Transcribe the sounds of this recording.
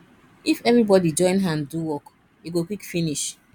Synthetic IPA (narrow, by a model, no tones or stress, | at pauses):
ifɛvɾibɔdid͡ʒɔ̃ɪ̃nɦãnduwɔk | iɡokwikfiniʃ